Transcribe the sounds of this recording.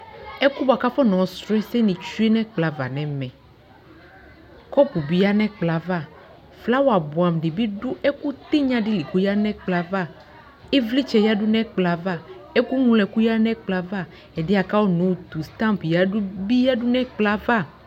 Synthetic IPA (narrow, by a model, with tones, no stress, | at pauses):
ɛ˦ku˦ba˨ka˦fɔ˦nɔ̃˨sɾɔ˦ɛ˦sɛ˦nĩ˨t͡ʃu˦e˦nɛ̃˦k͡pla˨va̰˨nɛ̃˨mɛ̃˨ | kɔ˦pu˨bi˨ja˦nɛ̃˦k͡pla˨va˦˨ | fla˦wo˦a˨bɔ˨a˨mɖi˨bi˦ɖu˦ʔɛ˦ku˦t̪e˦ɲã˦ɖi˦li˨ko˦ja˦nɛ̃˦k͡pla˦va˦˨ | e˦vli˦t͡ʃɛ˨ja˦ɖu˦nɛ̃˦k͡pla˨va˦˨ɛ˦ku˦ŋũ˦lɛ˨ku˦ja˦nɛ̃˦k͡pla˦va˦˨ | ɛ˨di˦a˨ka˦wo˦nũ˨˦˨t̪u˨st̪ã˦mpja˦u˦bi˦ja˦ɖu˦nɛ̃˦k͡pla˦va˦˨